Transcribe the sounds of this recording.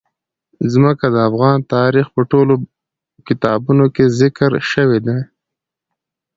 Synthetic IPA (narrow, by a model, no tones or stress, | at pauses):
zməkad̪əafɣɑnt̪ɑɾixpəʈolo | kɪt̪ɑbunokezɪkɾʃəwed̪e